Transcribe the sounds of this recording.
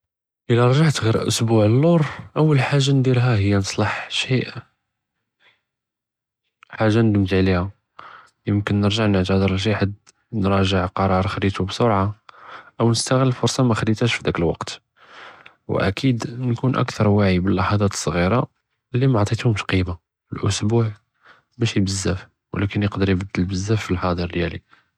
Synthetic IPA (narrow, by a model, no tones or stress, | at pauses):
ʔəliɾˤʒaʕt̪ɣiɾʔʊ̰sbuʕəlːuɾˤʔəwːəlħaʒːand̪ilɦæɦəjːanəsˤləħʃiʔ | ħaʒːand̪əmt̪aʕliha | jəmkənːəɾʒaʕnəʕt̪æd̪ˤəɾˤəlʃ̬iħad̪ | nɾˤɑʒəʕqɑɾˤɑɾˤxɾit̪ubsoɾʕaʔəwnəst̪æɣəlːfʊɾˤsˤɑmæxəd̪it̪æʃfid̪ækəlwɑ̰qt̪ | wʔæ̰kʰid̪nkunʔæ̰kt̪ʰɑɾˤwaʕibəlːɑħɑd̪ˤɑt̪ə̥sˤːɣiɾɑ | lːimʕt̪ˤit̪hʊmʃqima | əlʔʊsbuʕ | mæʃibəzːæf | wəlækənjəqd̪əɾjbəd̪ːəlbəzːæfːilħɑd̪ˤəɾd̪jæli